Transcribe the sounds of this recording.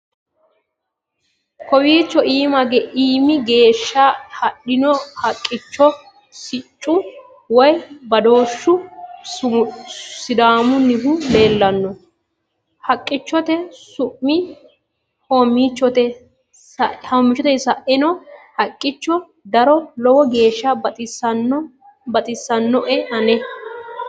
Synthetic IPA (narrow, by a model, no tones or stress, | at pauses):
kɔbiːt͡ʃːɔʔiːmɐɡɛʔiːmɪɡe̞ːʃːahɐɗɪnɔhɐkʼːɪt͡ʃːɔ | sɪt͡ʃʼːʊ | wɔjbɐd̪o̞ːʃːʊ | sɪd̪aːmʊnɪhʊle̞ːlːɐnːɔ | hɐkʼːɪt͡ʃːɔt̪ɛsʊʔːɪ | homit͡ʃːɔt̪ɛ | ʔhɐmːɪt͡ʃːɔt̪ɛsɐʔɪnɔhɐkʼːɪt͡ʃːɔ | d̪ɐɾɔlɔwɔɡe̞ːʃːɐbɐt̪ʼɪsɐn | bɐt̪ʼɪsːɐnːɔʔɛɐnɛ